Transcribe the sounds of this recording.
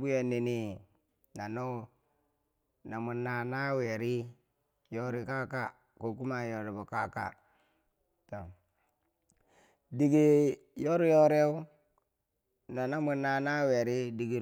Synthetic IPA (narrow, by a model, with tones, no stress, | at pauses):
bu˦ja˨ni˨ni˦ | na˨no˦˨ | na˨mu˨nːa˨na˦we˨ɾi˦ | jo˦ɾi˦ka˦ka˦ | ko˨ku˦ma˨jo˨ɾe˨bo˨ka˦ka̰˦ | to˨ | di˨ɡi˦ | jo˦ɾi˦jo˦ɾe˦u˦ | na˨na˦mu˨na˨na˦we˨ɾi˦di˨ɡi˦˨